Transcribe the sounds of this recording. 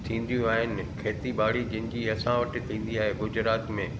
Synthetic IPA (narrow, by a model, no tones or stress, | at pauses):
t̪ʰĩːn̆d̪jũaːɦɪnɪ̆kʰeːt̪ibaːɽid͡ʑɪ̃nɪ̃̆d͡ʑiɐsãʋɐʈɪ̆t̪ʰĩːn̆d̪iaːɦeɡʊd͡ʑɪɾaːt̪mẽː